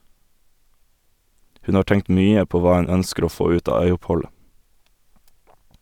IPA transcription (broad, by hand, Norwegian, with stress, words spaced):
ˈhʉn ˈɑː ˈʈɛŋt ˈmyːə ˈpoː ˈʋɑː ˈʉn ˈœnskəɾ ˈoː ˈfoː ˈʉːt ˈɑː ˈœʏʊpˌhɔlə